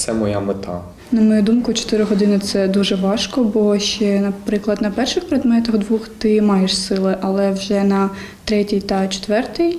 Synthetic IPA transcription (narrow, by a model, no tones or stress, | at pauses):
t̪sɛmɔjamɪt̪a̰ | nɐmɔjud̪umkʊt͡ʃɔ̥t̪ɪɾɪɦɔd̪ɪnɪt̪sɛd̪uʒɛʋɑʃkɔbɔʃt͡ʃɛnɐpɾɪklˠɐd̪nɐpɛrʃɪxpɾed̪mɛt̪ɐxd̪ʋuxt̪ɪmɑjeʃsɪlˠɪʔɐlˠɛwʒɛnɐ | t̪ɾɛtʲijt̪ɐt͡ʃe̥t̪ʋɛrt̪ɪj